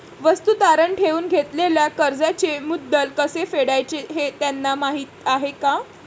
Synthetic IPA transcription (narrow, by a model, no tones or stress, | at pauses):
ʋəst̪ut̪aɾəɳʈʰeʋuːnɡʱet̪leljakəɾd͡zat͡ɕemud̪ːəlkəsefeɽajt͡seɦet̪janːamaɦiːt̪aɦeka